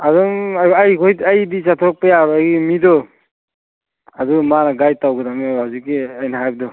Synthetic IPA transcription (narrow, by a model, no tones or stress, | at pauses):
adɔŋajkʰɔjajdisatʰɔɾɔk̚pejaɾɔajɡimidɔ | adɔmanaɡajtawɡɯdamihawzikːiajnaɦajb̚dɔ